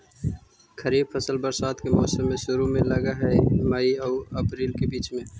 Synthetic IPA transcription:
kɐɾiːbfʰɐsəlbɐɾsaːt̪kemɔːsəmːẽʃʊɾumẽlɐɡaɦɛmaiɐːɐpɾiːlkebiːt͡ʃmẽː

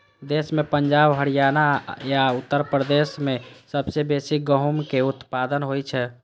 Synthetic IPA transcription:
d̪esmepəɲd͡ʒabɦəɽijanajaut̪ːəɾpɾəd̪esmesəbsebesiɡəɦmkeut̪pad̪ənɦojt͡ʃʰɛ

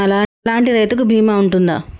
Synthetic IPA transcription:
ɐlaːlaːɳʈiɾɐjt̪ukubʱiːmaːuɳʈund̪a̰ː

